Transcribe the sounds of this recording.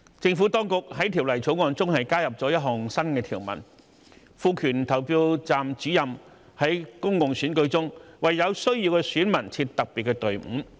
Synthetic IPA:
t͡sɪ˧ŋfuː˨˥t̪ɔː˥ŋkʊ˨k̚ɦɐ˨˥jt̪ʰiː˨˩wlɐ˨˩jt͡sʰo˨˥wŋɔː˨˧nt͡sʊ˥ŋhɐ˨jkaː˥jɐ˨p̚t͡sɔː˨˥jɐ˥t̚ɦɔː˨˩ŋsɐ˥nkɛː˧t̪ʰiː˨˩wmɐ̰˨˩n | fuː˧kʰyː˨˩nt̪ʰɐ˨˩wpiː˧wt͡saː˨mt͡siː˨˥jɐ˨m | hɐ˨˥jkʊ˥ŋkʊ˨ŋsyː˨˥nkɵ˧ɥt͡sʊ˥ŋwɐ˨jːɐ˨˧wsɵ˥ɥjiː˧wkɛ˧syː˨˥nmɐ˨˩nt͡sʰiː˧t̚t̪ɐ˨k̚piː˨t̚kːɛ˧t̪ɵ˨˩ɥm̩˨˥

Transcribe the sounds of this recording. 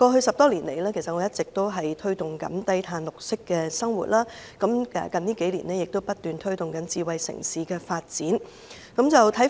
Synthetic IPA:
kɔː˧ɦɵ˧ɥsɐ˨p̚t̪ɔː˥liː˨˩nle˨˩jlɛː˥kʰsɐ˨t̚ŋɔː˨˧˦jɐ˥tt͡sɪ˨k̚t̪o˥wɦɐ˨jt̪ʰɵ˥ɥt̪ʊ˨ŋkɐ̰˨˥nt̪ɐ˥jt̪ʰaː˧nlʊ˨k̚sɪ˥kːɛː˧sɐ˥ŋwṵ˨t̚laː˥kɐ˨˥mɛ̰ː˨kɐ˨nt̪iː˥ke˨˥jlḭː˨˩nɛː˥jɪ˨k̚t̪o˥wpɐ˥t̚t̪yː˨nt̪ʰɵ˥ɥt̪ʊ˨ŋkɐ˨˥nt͡siː˨˧wɐ˨jsɪ̰˨˩ŋsiː˨kɛː˧faː˧t̚t͡siː˨˥n | kɐ˨˥mt͡sɐ˨wt̪ʰɐ˨˥j

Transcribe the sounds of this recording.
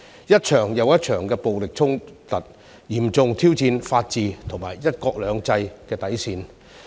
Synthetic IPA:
jɐ˥t̚t͡ʃʰœː˨˩ŋjɐ˨˧wjɐ˥t̚t͡ʃʰœː˨˩ŋkɛː˧po˨wlɪ˨k̚t͡sʰʊ˥ŋt̪ɐ˨˩t̚ | jiː˨˩mt͡sʊ˨ŋt̪ʰiː˥wt͡siː˧nfaː˧t̚t͡siː˨t̪ʰʊ˨˩ŋma̰ː˨˩jːɐ˥t̚kɔː˧k̚lœː˨˧ŋt͡sɐ˧jkɛː˧t̪ɐ˨˥jsiː˨n

